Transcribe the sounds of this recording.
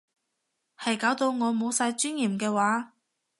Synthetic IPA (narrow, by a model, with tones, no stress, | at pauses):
hɐ˨jkaː˨˥wt̪o˧wŋɔː˨˧mo˨˧wsaː˧jt͡ʃyː˥njiː˨˩mkɛː˧waː˨˥